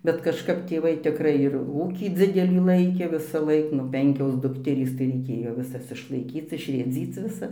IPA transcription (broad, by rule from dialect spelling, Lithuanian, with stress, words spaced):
bʲɛt kɐʃˈkɐp tʲeːˈʋɐɪ tʲɪkˈrɐɪ ɪr ˈuːkʲiː ˈd͡zʲɪdʲɛlʲiː ˈlˠɐɪkʲeː ʋʲɪsɐˈlˠɐɪk nʊ ˈpʲɛŋʲkʲoːs ˈdʊktʲɛrʲiːs tɐɪ rʲɛɪˈkʲeːjoː ʋʲɪˈsɐs ɪʃlˠɐɪˈkʲiːt͡s ɪʃʲrʲeːˈd͡zʲiːt͡s ʋʲɪˈsɐs